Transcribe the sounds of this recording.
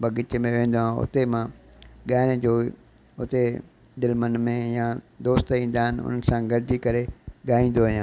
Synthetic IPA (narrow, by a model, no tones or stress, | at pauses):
bɐɡɪt͡ɕmẽʋẽːn̆d̪oãʊ̰t̪emãɠaːɪɽ̃ɪd͡ʑoː | ʊt̪e | d̪ɪlmənmẽjãd̪oːst̪ĩːnd̪aːɦɪnɪ̆ʊ̰n̤ənsãɡɐɽɪd͡ʑikɐɾeɠaːĩːnd̪oʋɐɦijãː